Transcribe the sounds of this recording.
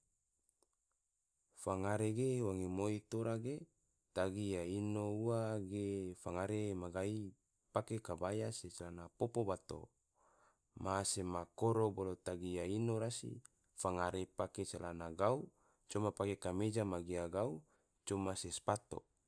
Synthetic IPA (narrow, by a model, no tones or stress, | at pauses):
faŋaɾeɡewaŋimoit̪oɾaɡe | t̪aɡijainouaɡefaŋaɾemaɡai | pakekabajasesalanapopobat̪o̰ | masemakoɾobolot̪aɡijainoɾasḭ | faŋaɾepakesalanaɡau | t͡ʃomapakekamed͡ʒamaɡiaɡau | t͡ʃomasespat̪o̰